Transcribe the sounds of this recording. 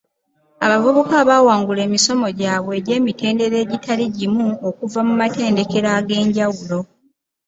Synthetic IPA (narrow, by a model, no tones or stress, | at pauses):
aβavuβokaːβaːwaːŋɡule̞ːmiso̞mo̞ɟaːβwe̞ːɟe̞ːmite̞ːnde̞ɾe̞ːɟitʰaliɟimuokuvamumate̞ːnde̞ke̞ɾaɡe̞ːɲɟawulo̞